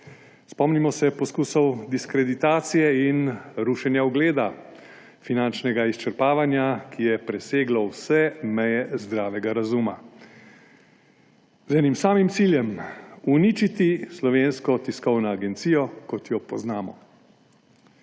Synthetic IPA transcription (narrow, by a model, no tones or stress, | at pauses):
spɔmnimɔsɛpɔskuːsɔwd̪iskɾɛd̪it̪aːt̪sijɛinɾuːʃɛnjaɔɡleːd̪a | finant͡ʃnɛɡaist͡ʃɛɾpaːʋanjakijɛpɾɛseːɡlɔwsɛmɛjɛzd̪ɾaːʋɛɡaɾazuma | zɛnimsaːmimt̪siljɛmuniːt͡ʃit̪islɔʋeːnskɔt̪iskɔwnɔaɡɛnt̪siːjɔkɔt̪jɔpɔznaːmɔ̰